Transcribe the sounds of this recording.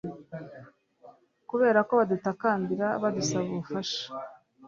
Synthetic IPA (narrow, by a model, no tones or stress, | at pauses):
kuβe̞ːɾako̞βadutakaːndiɾaβadusaβuufaʃḁ